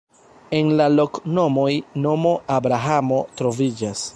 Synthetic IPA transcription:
e̞nlalo̞kno̞mojno̞mo̞ʔabɾaɦamo̞tɾo̞vid͡ʒas

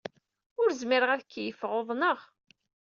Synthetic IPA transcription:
ʊɾzmiɾəʁæðəkːjəfʁoðˤnəʁ

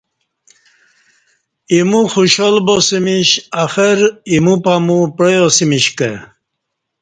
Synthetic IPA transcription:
imuxuɕolbosimiɕafəɾimupamupɾəjosimiɕke

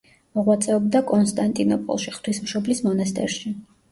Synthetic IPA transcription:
mɔʁwat̪sʼɛɔb̚d̪akʼɔnst̪ʼant̪ʼinɔpʼɔ̰lˠʃiχt̪ʰwismʃɔblismɔnast̪ʼɛ̰ɾʃi

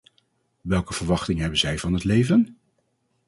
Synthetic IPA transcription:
ʋɛlˠkəv̥əɹʋɑχtɪŋɦɛbənzɛjvɑnɦətlejvən

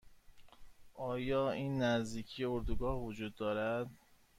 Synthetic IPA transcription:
ʔɒːjɒːiːnːæzd̪iːcʰijeoɾd̪uɡɒːhvod͡ʒuːd̪ːɒːɾæd̪

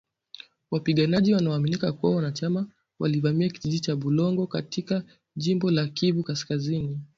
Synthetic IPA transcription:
wapiɠanaʄiwanaaːminikakuwawanat͡ʃama | wa̰livamiakiʄiʄit͡ʃaɓulɔŋɡɔkatika | ʄimbɔlakivukaskazini

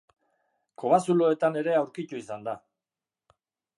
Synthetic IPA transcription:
ko̞βasulo̞e̞t̪ane̞ɾe̞awɾkit̪uisand̪a

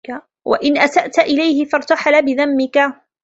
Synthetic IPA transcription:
wa̰ʔɪnʔasaʔt̪aʔɪlajhɪfɑɾˤt̪aħalabɪðamːɪka

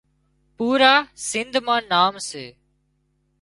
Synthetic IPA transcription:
puːɾaːsɪnd̪ʱmãːnaːmseː

